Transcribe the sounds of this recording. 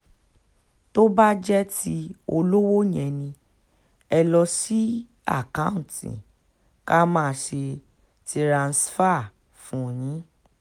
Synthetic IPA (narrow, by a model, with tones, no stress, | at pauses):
to˦ba˦d͡ʒɛ˦ti˦o˧lo˦wo˦jɛ̃˨nĩ˧ | ɛ˧lɔ˧si˦ | a̰˦˨kã˦ũ˦˨tḭ̃˨ | ka˦mãː˦˨ʃe˧ | ti˧ɾã˨˧n̩˨sfa˦˨ | fũ˨˦jĩ˨˦